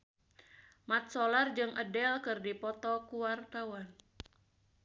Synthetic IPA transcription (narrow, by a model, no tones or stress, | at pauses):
mat̪̚solard͡ʒɨŋʔə̰dɛlkɨrdipɔt̪ɔkuwart̪awan